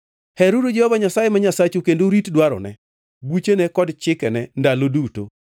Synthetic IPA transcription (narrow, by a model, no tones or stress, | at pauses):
hɛɾodod͡ʒɛhɔvaɲasajemaɲasat͡ʃokendoɾitdwaɾɔ̰nɛ̰ | but͡ʃenɛkɔdt͡ʃɪkɛnɛndaloduto̰